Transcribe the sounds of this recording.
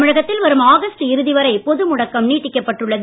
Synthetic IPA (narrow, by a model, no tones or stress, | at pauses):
mɪɻɐɣɐt̪ːɪlʋɐɾɯmaːɣɐsʈɯɪɾɯðɪʋɐɾɐɪpɔðɯmʊɽɐkːɐmniːʈːɪkːɐpːɐʈːɯɭːɐð